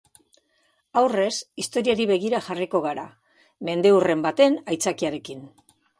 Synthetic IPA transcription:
awre̞sist̪o̞ɾiaɾiβe̞ɣ̞iɾaʝariko̞ɣ̞aɾa̰ | me̞nd̪e̞ure̞mbat̪e̞najt͡sakiaɾe̞kin

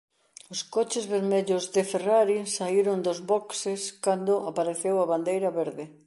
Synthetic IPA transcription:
ʊskot͡ʃɪzβeɾmeʎozðɪferaɾisaiɾʊnd̪ozβɔkseskand̪ʊʔapaɾeθewaβand̪ejɾɐβeɾðɪ

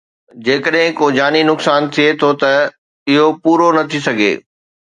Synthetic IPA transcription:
d͡ʑeːkəɗɦɪ̃koːd͡ʑaːninʊksaːnt̪ʰiet̪ʰot̪ɐ | ɪɦopuːɾonɐt̪ʰisɐɡʱḛː

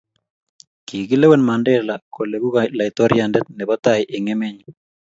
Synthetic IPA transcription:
kiɡilɛwɛnmandɛlakolebuɣalait̪ɔɾjandɛt̪̚nɛbɔt̪ajʔɪŋɛmɛɲ

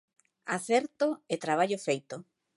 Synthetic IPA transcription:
aθɛɾt̪oet̪ɾaβ̞aʎofejt̪o

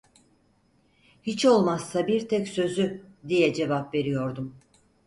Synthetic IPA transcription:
hit͡ʃʰo̞lˠmasːabiɾt̪ʰɛcsø̞zyd̪ijɛd͡ʒe̞vapve̞ɾijo̞ɾd̪um

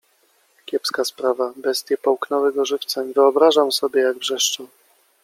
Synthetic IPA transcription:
kʲjɛpskaspɾavabɛst̪ʲjɛpɔwknɔwɛɡɔʐɘft̪saɲvɘɔbɾaʐamsɔbʲjɛjaɡvʐɛʂt͡ʂɔ

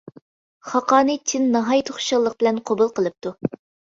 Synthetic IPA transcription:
χɑqɑːnɨt͡ʃʰinːɑɦɑjt̪ʰoχʃɑʁlˠəq̚bɪlɛnqʰobulˠqəlˠɨp̚t̪ʰu

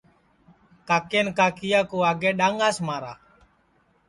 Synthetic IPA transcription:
kaːkeːnkaːkɪjaːkoːaːɡeːɗaːŋɡaːsmaːɾa̰ː

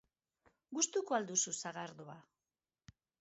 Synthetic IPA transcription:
ɡust̪ukoald̪ususaɣaɾðoa

